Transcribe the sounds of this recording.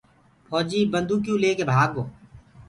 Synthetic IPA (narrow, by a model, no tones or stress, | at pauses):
pʰɔːd͡ʒiːbənd̪ʱuːk̬jũːleːkeːbʱaːɡ̚koː